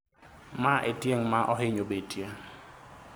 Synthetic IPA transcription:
maʔetjeŋmaʔɔɦɪɲobetje

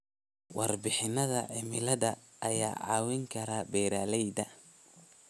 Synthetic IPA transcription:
wʔɑrbɪħɪnɐðɐʕɪmɪlɐðɐ | ʔɐjaːʕɑ̰ːwɪŋkʰɐɾaːbɛːɾaːlɛjd̪ɐ

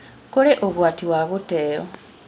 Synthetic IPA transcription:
koɾeʔoɣwaːtiwaɣuteːo̰

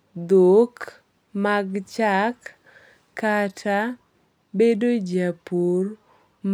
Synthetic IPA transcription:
d̪ok | maɡt͡ʃakː | atʰa | bedod͡ʒapur | m

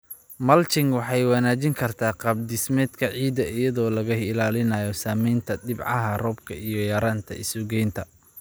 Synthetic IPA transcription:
mɐlt͡ʃɪŋwɑħɑjwɑnaːt͡ʃɪŋkʰɐrt̪ʰaːqɑb̚d̪ɪsmɛːd̪kʰɐʕiːd̪ɐʔɪjɐðɔːlɐɣɐhɪlaːlɪnaːjɔsaːmɛjnt̪ʰɐd̪ɪbʕɑ̰ɦɐrɔːb̚kʰɐʔijɔjɐɾaːnt̪ʰɐ̰ɪ̰sʊɡɛjnt̪ʰɐ

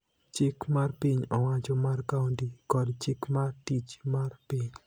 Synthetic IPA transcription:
t͡ʃɪkmarpiɲɔwat͡ʃɔmarkauntikɔdt͡ʃɪkmartit͡ʃmarpiɲ

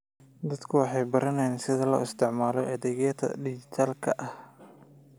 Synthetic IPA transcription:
d̪ɐd̪kʰʊwɑħɑjbɐɾɐnɛjnsɪðɐlɐ̰ɪst̪ʰɪʕmaːlɔʔɐðɛɣjɐt̪ʰɐ̰ɖɪd͡ʒɪt̪ʰaːlkʰɐ̰ʔɐh

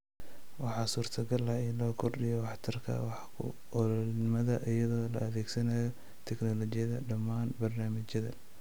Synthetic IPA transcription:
wɑħɑːsuːrt̪ʰɐɡɐlɐɪlɔːkʰɔrɖɪjɔwɑħt̪ʰɐrkʰɐ̰wɑħkʰʊ̰ | ɔllnɪmɐðɐʔɪjɐðɔːlɐ̰ɐðɛːɡsɐnaːjɔ | t̪ʰɛknɔlɔt͡ʃɪjɐðɐɖɐmaːnbɐrnaːmɪt͡ʃjɐðɐ̰

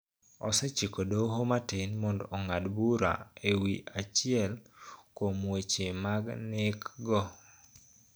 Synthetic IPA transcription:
ɔ̰sɛt͡ʃikodoɦomatenmɔndɔ̰ɔŋadbuɾa̰ewiʔat͡ʃɪɛlkomwet͡ʃemaɡnekɡɔ

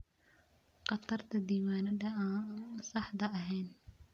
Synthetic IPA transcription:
qɑt̪ʰɐrt̪ʰɐd̪iːwaːnɐðɐaːsɑħd̪ɐɐɦɛjn

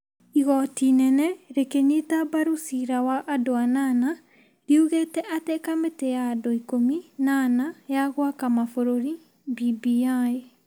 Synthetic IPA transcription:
iɣɔtinɛnɛɾekeɲitabaɾusiɾawaʔadoanana | ɾiuɣetɛʔatekametejadoikominanajaɣwakamafoɾoɾi | bibiae

